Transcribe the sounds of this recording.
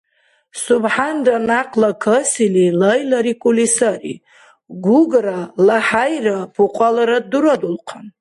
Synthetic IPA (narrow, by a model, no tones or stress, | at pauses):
subħanranaqʰʼlakʰəsililajlaɾikʷʼulisaɾḭ | ɡuɡɾalaħajɾapʰuqʷʼalaɾad̪uɾad̪ulqʰan